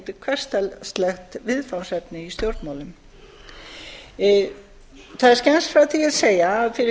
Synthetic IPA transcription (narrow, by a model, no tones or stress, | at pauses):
t̪ɪkʰvɛr̥st̪ɛlst̪lɛxt̪vɪðfawsɛpnɪist̪jowɾt̪mawlʏm | θaðɛɾ̥scɛnsfɾawt̪ʰiaðseːjaːðfɪɾɪ